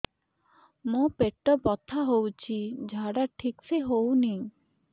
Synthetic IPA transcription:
mõpeʈːɔbɔt̪ʰaɦowt͡ʃʰid͡ʒʱaɽaʈʰikseɦowni

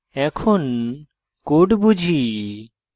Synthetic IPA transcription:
ɛkʰon | koɖbud͡ʑʱi

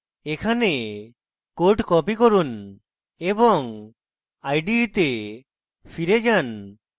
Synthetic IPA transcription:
ekʰane | koʈkɔpikɔɾun | ebɔŋ | ajɖit̪e | pʰiɾed͡ʒan

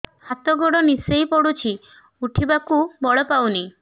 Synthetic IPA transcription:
hat̪ɔɡoɽɔnisejpɔɽut͡ʃʰi | uʈʰibakubɔɭɔpawni

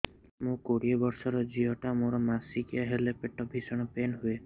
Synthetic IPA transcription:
mũkoɽiɔbɔɾsɔɾɔd͡ʒiɦɔʈamoɾɔmasikijaɦelepeʈɔbʱisɔɽ̃ɔpenɦue

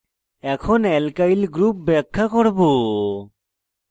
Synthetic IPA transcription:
ɛkʰɔnɛlkailɡɾup̚bɛkʰːakɔɽbo

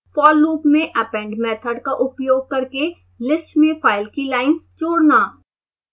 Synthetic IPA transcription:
fɔːlːuːpmẽʔɛpɛ̃ɳɖmɛːt̪ʰəɖkaʔʊpjoːɡ̚kɐɾke | lɪsʈmẽpʰaːɪlkilaːɪnst͡ʃoːɽnaː

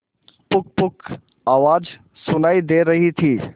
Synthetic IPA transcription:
pʊk̚pʊk | aːʋaːd͡ʒ | sʊnaːid̪eːɾɐɦit̪ʰiː

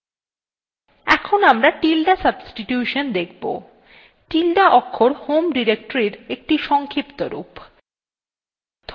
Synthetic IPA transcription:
ɛ̰kʰonamɾaʈilɖasɐbsʈiʈjuʃond̪ekʰbo̰ | ʈilɖaʔɔkʰːoɾhomɖiɾek̚ʈoɾiɾek̚ʈiʃɔŋkʰipt̪oɾṵp | d̪̥ʱ

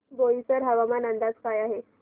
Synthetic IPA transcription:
ɡojit͡səɾɦəʋamanənd̪ad͡zpajaɦe

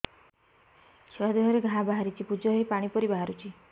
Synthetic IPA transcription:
sewad̪eɦɔɾeɡʱaɦabaɦaɾit͡ʃʰipud͡ʒɔɦɔipaɽ̃ipɔɾibaɦaɾut͡ʃʰi

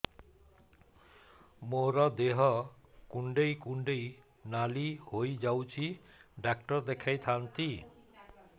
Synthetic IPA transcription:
moɾɔd̪eɦɔkuɳɖejkuɳɖej | nalihojd͡ʒawt͡ʃʰiɖak̚ʈɔɾd̪ekʰajt̪ʰant̪i

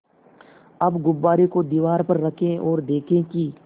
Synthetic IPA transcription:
ɐbɡʊbːaːɾekod̪iːʋaːɾpɐɾːɐkʰẽʔɔːɾd̪eːkʰẽki

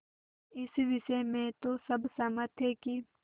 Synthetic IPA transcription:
ɪsʋɪsemẽt̪osɐbsɐmət̪ʰeki

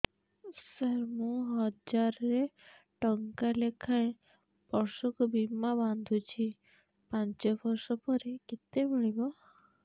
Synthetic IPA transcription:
səɾmũɦɔd͡ʒaɾɔɾe | ʈɔŋkalekʰaẽ | bɔɾsɔkubimːaband̪ʱut͡ʃʰi | pãnt͡ʃɔbɔɾsɔpɔɾikit̪emiɭibɔ

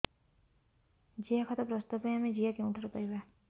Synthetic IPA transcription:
d͡ʒiakʰɔt̪ɔpɾɔst̪apɔjamed͡ʒiakeũʈʰaɾɔpaɾiba

